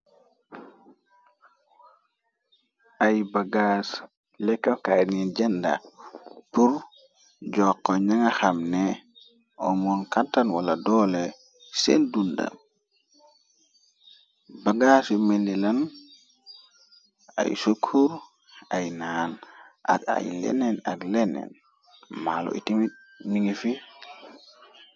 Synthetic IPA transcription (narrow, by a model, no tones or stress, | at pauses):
ʔajbaɡas | lɛkːakajniɟɛnda̰puɾ | d͡ʒɔkːɔɲaŋaxamne | ɔmɔnkantanwaladɔle | sendunda̰m | baɡasimelːilan | a̰jsukʰuɾ | ajnanʔa̰ka̰jlḛnenaɡlenɛ̰n | malo̰ʔḭtimi | niŋefi